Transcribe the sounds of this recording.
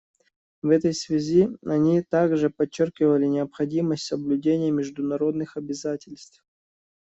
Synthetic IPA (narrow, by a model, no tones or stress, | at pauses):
vɛt̪əjsvʲɪzʲiɐnʲit̪aɡʐɨpɐt͡ɕːorkʲɪvəlʲɪnʲɪəpxɐdʲiməsʲtʲsəblʲʉdʲenʲɪjəmʲɪʐd̪ʊnɐɾo̞d̪nɨxɐbʲɪzatʲɪlʲst̪f